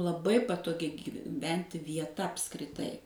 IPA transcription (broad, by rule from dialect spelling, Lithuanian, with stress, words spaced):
lˠɐˈbɐɪ pɐtoːˈɡʲɪ ɡʲiːˈʋʲɛnʲtʲɪ ʋʲiɛˈtɐ ɐpskrʲɪˈtɐɪ